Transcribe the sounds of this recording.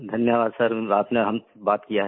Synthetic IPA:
d̪ʱɐnjəʋaːd̪sɐɾaːpneɦɐm | baːt̪kijaɦɛ

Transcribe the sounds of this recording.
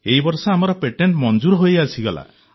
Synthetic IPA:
eɦibɔɾsɔamɔɾɔpeʈeɳʈmɔnd͡ʒuɾɔɦojasʰiɡɔla̰

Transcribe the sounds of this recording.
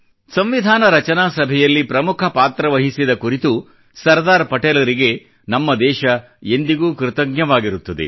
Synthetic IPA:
sɐmʋid̪ʱaːnɐɾɐt͡ʃɐnaːsɐbʱɛjɐlːipɾɐmukʰɐpaːt̪ɾɐʋɐɦisid̪ɐkuɾit̪u | sɐɾd̪aːɾpɐʈeːlɐɾiɡe̞ | nɐmːɐd̪ɛːʃɐ | end̪iɡuːkɾt̪ɐɡjɐʋaːɡiɾut̪ːɐd̪e̞̰

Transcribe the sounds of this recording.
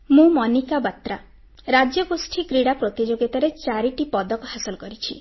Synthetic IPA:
mũmɔnikabat̪ɾa | ɾad͡ʒjɔɡosʈʰikɾiɽapɾot̪id͡ʒoɡjɔt̪aɾet͡ʃaɾiʈipɔd̪ɔkɔhasɔlkɔɾit͡ʃʰi

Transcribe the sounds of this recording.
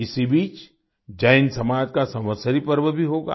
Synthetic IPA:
ɪsibiːt͡ʃ | d͡ʒaːɪnsɐmaːd͡ʒkasɐməsəɾipəɾʋəbʱiɦoːɡa̰ː

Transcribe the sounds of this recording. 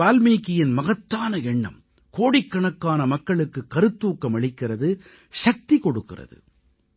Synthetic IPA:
aːlmiːkːɪjɪnmɐɣɐt̪ːaːnɐɛɳːɐ̰m | koːɽɪkːɐɳɐkːaːnɐmɐkːɐɭɯkːɯkːɐɾɯt̪ːuːkːɐmɐɭɪkːɪrɐðɯ | ʂɐk̚t̪ikɔɽɯkːɪ̰rɐ̰ðɯ̰

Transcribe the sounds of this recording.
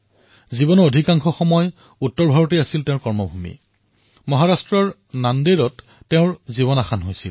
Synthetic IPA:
zibɔnɔodʱikaŋxɔxɔmɔj | utːɔɹbʱaɹɔteasiltẽʊ̃ɹkɔɹmɔbʱumḭ | mɔɦaɹastɹɔɹ | nandeɹɔtː | eʊ̃ɹziβɔnaxanɦojsḭl

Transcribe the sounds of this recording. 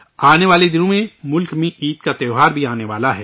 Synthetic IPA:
aːneʋaːled̪ɪnõmẽmʊlkmẽʔiːt̪kat̪ɛːʊɦaːɾbʱiaːneʋaːlaɦɛː

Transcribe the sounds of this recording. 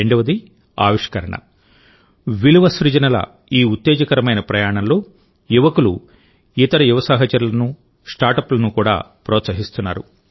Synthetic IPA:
eɳɖɐʋɐd̪i | a̰ːʋiʂkɐɾɐɳɐ̰ | ʋiluʋɐsɾud͡ʒɐnɐlɐ̰ | iːut̪ːeːd͡ʒɐkɐɾɐmɐjnɐpɾɐjaːɳɐnlo̞ː | juʋɐkulṵ | it̪ɐɾɐjuʋɐsaːɦɐt͡ʃɐɾulɐnu | sʈaːɾʈɐplɐnukuːɽa̰ːpɾɔːt̪sɐɦist̪unːa̰ːɾṵ

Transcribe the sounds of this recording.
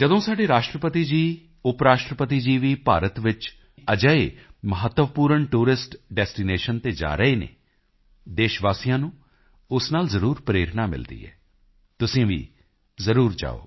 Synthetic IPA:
d͡ʒəd̪õːsaːɖeːɾaːʃʈɾəpət̪iːd͡ʒiː | ʊpɾaːʃʈɾəpət̪iːd͡ʒiːʋiːpaːɾət̪ʋɪt͡ʃ | əd͡ʒəeːməɦət̪ːʋəpuːɾəɳʈuːɾɪsʈɖɛːsʈiːneːʃənt̪eːd͡ʒa̰ːɾəeːnḛː | d̪eːʃʋaːsijãːnũː | ʊsnaːlzəɾuːɾpɾeːɾnaːmɪ̰ld̪ḭːɛ̰ː | t̪ʊsĩːʋḭː | zəɾuːɾd͡ʒa̰ːo̰ː

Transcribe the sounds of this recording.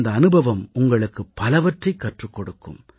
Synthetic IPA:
nd̪ɐːnɯbʱɐʋɐmʊŋɡɐɭɯkːɯpːɐlɐʋɐʈrɐɪkːɐʈrɯkːɔɽɯkːɯ̰m

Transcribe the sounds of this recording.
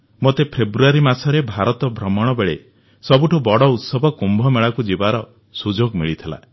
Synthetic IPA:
mot̪epʰebɾuaɾimasɔɾebʱaɾɔt̪ɔbʱɾɔmɔɽ̃ɔbeɭe | sɔbuʈʰɔbɔɽɔut̪sɔbʱɔkumbʱɔmeɭakud͡ʒibaɾɔ | sud͡ʒoɡmiɭit̪ʰila̰

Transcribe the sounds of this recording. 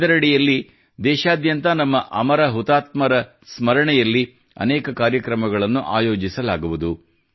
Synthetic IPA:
ɐɾɐɽijɐlːi | d̪ɛːʃaːd̪jɐnt̪ɐnɐmːɐʔɐmɐɾɐɦut̪aːt̪mɐɾɐ | smɐɾɐɳɛjɐlːi | ɐ̰nɛːkɐkaːɾjɐkɾɐmɐɡɐɭɐnːuʔaːjo̞ːd͡ʒisɐlaːɡuʋud̪u

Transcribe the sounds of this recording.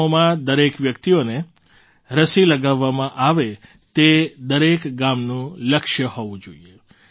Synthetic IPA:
omãd̪əɾekʋjək̚t̪ione | ɾəsiləɡaʋːamãʔaʋe | t̪ed̪əɾekɡamnũləkʃjəhoʋũd͡ʒoie

